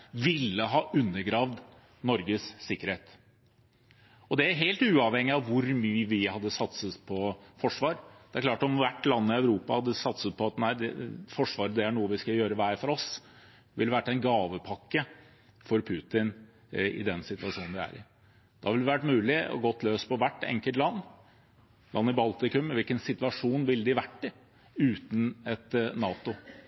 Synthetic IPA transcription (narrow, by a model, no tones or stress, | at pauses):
ʋɪlːəɦɑːʔʉnːəɡɾɑːʋd̪ | nɔɾɡəssɪkːəɾheːt̪ | ɔd̪ɛæɾɦeːlt̪ʉːɑʋhɛŋːɪɑʋʋʊɾmyːəʋɪhɑd̪ːəsɑt̪sət̪pʰɔfɔʂʋɑːɾd̪̥ɛæɾkʰlɑːʈɔmʋæʈːlɑnːəɪœʉɾuːpɑhɑd̪ːəsɑt̪sət̪̚pʰɔɑt̪næɪd̪ɛfɔʂʋɑːɾəd̪ɛæɳuːəʋɪskɑjøːɾəʋæɪfɔɾɔs | ʋɪlɛʋæʈːæɪnɡɑːʋəpʰɑkːə | fɔɾpʰʉːt̪ɪn | ɪ̰d̪ɛnsɪt̪ʋɑʂuːnnd̪ɪæ̰ɾɪ̰ | d̪̥ɑhʋɪld̪ɛʋæʈmʉːlɪɔ̰ɡɔt̪ʰːløːspʰɔʋæʈːɛ̰ŋkəlt̪lɑnː | lʔɑnːɪbɑlt̪ɪkʉmɪʋɪlkənsɪt̪ʋɑʂuːnʋɪld̪ɪʋæʈːə | ʉːt̪n̩ɛt̪nɑːt̪ʊ